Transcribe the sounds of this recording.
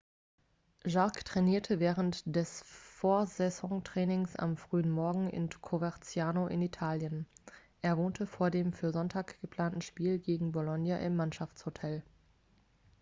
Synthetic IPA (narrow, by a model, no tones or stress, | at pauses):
ʒaɐktʁ̥ɛniːɐtʰəvɛːʁəntd̥ɛsfoːɐzɛzɔŋtʁ̥ɛːnɪŋsa̰mfʁ̥yːənmɔɐɡŋ̩ʔɪ̰nkʰovaɐt͡sjaːnoʔɪ̰nitʰaːljənʔeːɐvoːntʰəfoːɐdeːmfyːɐzɔntʰaːkɡ̥əpl̥aːntn̩ʃpiːlɡeːɡŋ̩bolɔnjaʔɪmːanʃaft͡shotʰɛl